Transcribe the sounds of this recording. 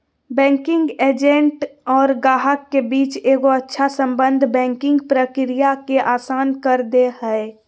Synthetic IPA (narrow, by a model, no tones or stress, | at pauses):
bɛ̃ːŋkɪ̃ŋɡeːd͡ʒẽɳʈɔːɾɡaːɦəkːebiːt͡ʃeːɡoətːʃʰasə̃mbə̃nd̪ʱbɛ̃ːŋkɪ̃ŋɡpɾəkɾijakeʔaːsaːnkəɾd̪ehɛe